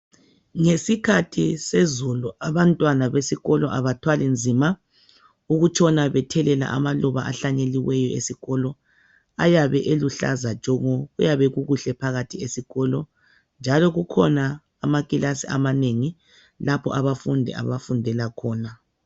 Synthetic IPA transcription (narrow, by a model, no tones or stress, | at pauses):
ŋesikʰatʰisezuluaβantʼwanaβesiɣɔlɔʔaβatʰwalind͡zʱima | uɣut͡ʃʰʼɔnaβɛtʰɛlɛla̰ʔa̰malɔβa̰ʔa̰ɬaɲeliwɛjɔḛsiɣɔlɔ | ajaβɛʔeluɬa̰zḁʒ̥ʱʼɔŋɔɣujaβɛɣuɣuɬɛpʰaɣatʰiesiɣɔlɔ | nd͡ʒʱalɔɣukʰɔnaː | maɣʼilasiamaneŋi | lapʰɔ̰ʔaβafundʱɛ̰a̰βafundʱɛlakʰɔːna